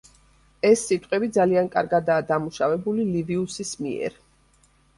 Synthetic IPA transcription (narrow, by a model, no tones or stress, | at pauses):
ɛsːit̪ʼqʼɛbid̪zaliankʼa̰ɾɡad̪aːd̪amuʃavɛbuliliviusismḭɛ̰ɾ